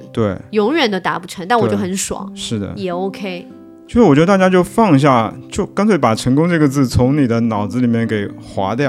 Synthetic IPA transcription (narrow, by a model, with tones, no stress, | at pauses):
t̪we˥˩ɪjʊ˧˥ŋɥɛ˨˩nd̪ə˧t̪a˧˥pu˥˩ʈ͡ʂʰə˧˥ŋt̪a˥˩nwɔ˧˨t͡ɕo˥˩xə˧˥nʂwɑ̰˨˩˦ŋʂɻ̩˥˩d̪ə̰˩jɛ˨˩o˥ʊkʰe˥ɪ | t͡ɕo˥˧ʊʂɻ̩˥˩wt͡ɕj̪ə˧t̪a˥˩t͡ɕja˥t͡ɕjo˥˧ʊfɑ˥˧ŋɕ̬ja˥˩t͡ɕjo˥˩ʊkɑ˥nt͡sʰwe˥˩ɪpa˨˩ʈ͡ʂʰɤ˧˥ŋkʊ˥ŋʈ͡ʂɤ˥˩ɡə˩t͡sɹ̩˥˩t͡sʰʊ˧˥ŋni˨˩d̪ə˦nɑ˨˩ʊd͡zɹ̩˧li˨˩mjɛ˥˩nke˨˩ɪxwa̰˧˥t̪jɑ˥˩